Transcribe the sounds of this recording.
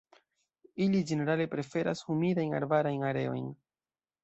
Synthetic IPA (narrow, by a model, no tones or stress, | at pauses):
ilid͡ʒe̞ne̞ɾale̞pɾe̞fe̞ɾashumidajna̰ɾbaɾajnaɾe̞̰o̞̰jn